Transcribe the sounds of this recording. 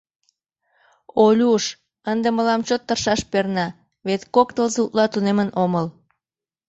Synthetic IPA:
olʲuʃ | ənd̪eməlɑmt͡ɕot̪ːərʃɑʃpernɑ | βet̪kokt̪əlzut̪lɑt̪unemənoməl

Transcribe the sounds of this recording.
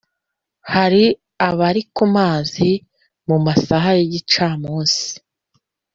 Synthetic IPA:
haɾi | aβaɾikumaːzi | mumasaɦajeɟit͡ʃaːmuːnsi̥

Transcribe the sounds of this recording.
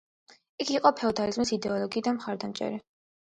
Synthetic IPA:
ikʰiqʼɔpʰɛɔd̪alizmisid̪ɛɔlˠɔɡiːd̪anmχaɾd̪amt͡ʃʼɛ̰ɾi

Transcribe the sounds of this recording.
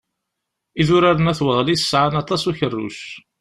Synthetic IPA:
iðʊɾaɾənæθwəʁlisə̥sːʕanɑt̪ˤɑsuçərːʊ̰ʃ

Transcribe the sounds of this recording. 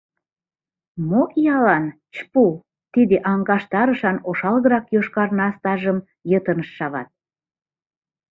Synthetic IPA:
moʔjɑlɑn | t͡ɕpu | t̪id̪eʔɑŋɡɑʃt̪ɑɾəʃɑnoʃɑlɣəɾɑkjoʃkɑrnɑst̪ɑʒəm | jət̪ənəʃːɑβɑ̰t̪̚

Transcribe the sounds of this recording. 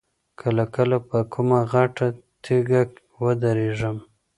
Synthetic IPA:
kʰəlakəlapəkʰumaɣaʈat̪ʰeɡak | wəd̪aɾeʒəm

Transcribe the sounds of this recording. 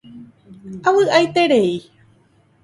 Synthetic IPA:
awɨʔajt̪e̞ɾe̞i

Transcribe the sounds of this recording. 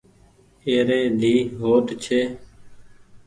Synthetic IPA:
eːɾeːd̪ʱiːɦoːʈt͡ʃʰeː

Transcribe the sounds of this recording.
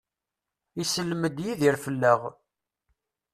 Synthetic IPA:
isəlːməd̪jiðiɾfəlːəʁ

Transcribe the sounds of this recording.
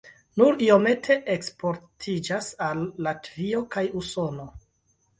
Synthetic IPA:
nuɾio̞me̞tʰe̞ʔekspo̞ɾtʰid͡ʒasalːatvio̞kajuso̞no̞

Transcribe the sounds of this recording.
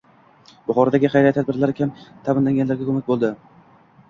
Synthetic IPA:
bʊχɒɾad̪aɡʲɪχɑjɾaj̪t̪ʰad̪bɪɾlaɾɪkʲʰamt̪ʰamɪnlaŋɡʲanlaɾɡʲakʰɵmak̚ʲbolˠd̪ɪ

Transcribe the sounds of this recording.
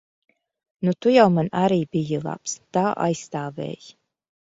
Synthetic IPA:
nut̪ujawmanaɾiːbijɨlˠa̰pst̪aːʔa̰jst̪aːvɛ̰ːj

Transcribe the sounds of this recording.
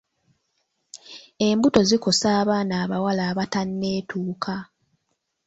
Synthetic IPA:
e̞mbuto̞ziko̞saːβaːnaːβawalaːβatanːe̞ːtʰuːkʰa

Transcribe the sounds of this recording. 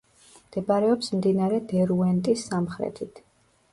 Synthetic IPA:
md̪̥ɛbaɾɛɔpsmd̪inaɾɛd̪ɛɾuɛnt̪ʼisːamχɾɛ̰t̪ʰit̪ʰ

